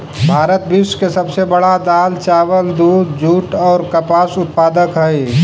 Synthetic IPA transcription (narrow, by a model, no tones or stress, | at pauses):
bʱaːɾət̪bɪʃkesɐbsebəɽad̪aːlt͡ʃaːʋəld̪uːd̪d͡ʒʱuːʈɔːɾkəpaːsʊt̪̚paːd̪əkɦɛj